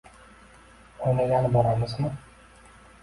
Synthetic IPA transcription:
onaɡʲanɪboɾamɪzmɪ

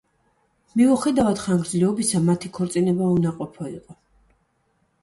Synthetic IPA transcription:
miuχɛd̪avad̪̥χaŋɡɾd̪zlɛɔbisamat̪ʰikʰɔɾt̪sʼinɛbaunaqʼɔpʰɔḭqʼɔ

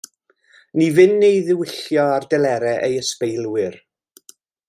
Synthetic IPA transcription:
nivɨnːejðɪwɪɬjɔardɛlˠɛɾɛʔejəspejlˠwɪr

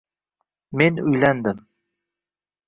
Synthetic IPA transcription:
menʊ̰jlænd̪ɪm

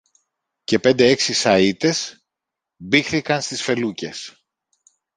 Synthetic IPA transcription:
ce̞pe̞nd̪ee̞ksisɐit̪e̞s | bixθikɐnst̪isfe̞luce̞s

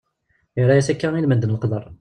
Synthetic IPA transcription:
əɾæjæsækːæilmənd̪ənəlqd̪ˤərˤ

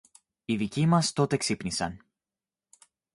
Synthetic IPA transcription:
iðicimɐst̪o̞t̪eksipnisɐ̰n

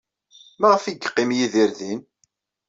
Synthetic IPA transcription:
maʁəfiɡqːɪmjiðiɾðin

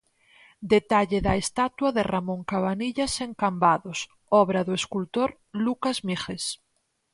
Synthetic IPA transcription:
d̪et̪aʎeðaest̪at̪waðeramõŋkaβaniʎaseŋkambaðos | ɔβɾaðoeskult̪oɾ | lukazmixes

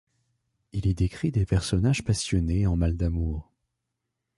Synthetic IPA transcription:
ilid̪ekχid̪epɛʁsɔnaʒpasjɔneɑ̃mald̪amuːʁ

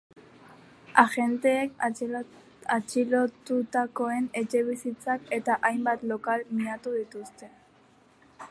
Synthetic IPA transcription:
aʝe̞nt̪e̞ːk | at͡ʃilot̪ut̪ako̞e̞ne̞t͡ʃe̞β̞isit͡sake̞t̪aʔajmbat̪lo̞kalmiɲat̪uðit̪ust̪e̞

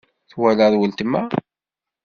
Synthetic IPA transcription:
θwæləðwəlt̪əmːæ

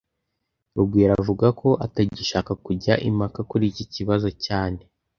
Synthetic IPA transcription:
ɾuɡwiːɾavuɡakʰo̞ʔataɟiʃaːkakuɟaʔimakakuɾiːciciβazo̞caːne̞

